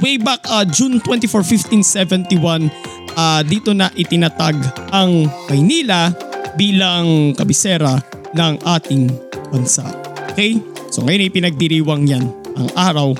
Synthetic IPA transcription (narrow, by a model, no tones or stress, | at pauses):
wejbakʔɐd͡ʒunt̪wɛnt̪ifoɹfift̪insɛvɛnt̪iwan | ʔad̪iːt̪o̞nɐʔɪt̪ɪnɐt̪aɡʔɐŋmɐjniːlɐbiːlɐŋŋkɐbɪsɛːɾɐ | nɐŋʔaːt̪ɪŋbɐnsa̰ʔ | okɛjsoŋɐjo̞nɐɪjpɪnɐɡ̚d̪ɪɾiːwɐŋjanʔɐ̰ŋʔaːɾɐw